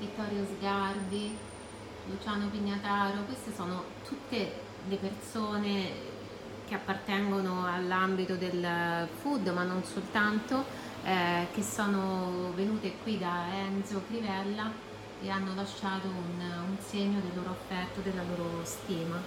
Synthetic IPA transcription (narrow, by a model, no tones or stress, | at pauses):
vit̪ːɔːɾjozɡard̪i | lut͡ʃaːnopiɲːat̪aːɾokwest̪esoːno | t̪ʰut̪ːe | lepersoːne | k̟eapːart̪ɛŋɡonoalːambit̪od̪elfud̪ːmanːonsolt̪ant̪o | ɛk̟esːoːnovenuːt̪ekwid̪aɛnzokɾivɛlːa | eanːolaʃːaːt̪oununseɲːod̪elːoːɾoafːɛrt̪od̪elːaloːɾost̪iːma